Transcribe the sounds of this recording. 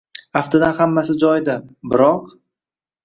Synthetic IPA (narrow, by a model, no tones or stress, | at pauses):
aft̪ʰad̪anhamːasɪd͡ʒɒjd̪ɪbɪɾɒq